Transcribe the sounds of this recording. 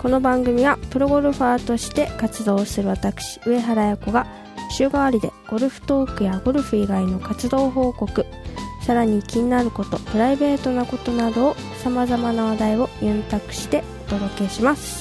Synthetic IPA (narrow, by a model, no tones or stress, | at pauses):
ko̞no̞bãŋɡɯ̟mʲiβapɯ̟ɾo̞ɡo̞ɾɯ̟ɸaːt̪o̞ɕi̥t̪e̞kat͡sɨd̪o̞ːsɨɾɯ̟βat̪akɯ̟̥ɕi̥ɯ̟e̞ɦaɾajako̞ɡa | ɕɨːɡaβaɾʲid̪e̞̰ɡ̥o̞ɾɯ̟ɸɯ̟̥t̪o̞ːkɯ̟jaɡo̞ɾɯ̟ɸɯ̟iɡaino̞kat͡sɨd̪o̞ːɦo̞ːko̞kɯ̟ | saɾaɲ̟ikʲiɲ̟inaɾɯ̟ko̞t̪o̞pɯ̟ɾaibe̞ːt̪o̞nako̞t̪o̞nad̪o̞ː | samazamanaβad̪aio̞jẽnt̪akɯ̟̥ɕi̥t̪e̞ot̪o̞d̪o̞ke̞ɕimasɨ̥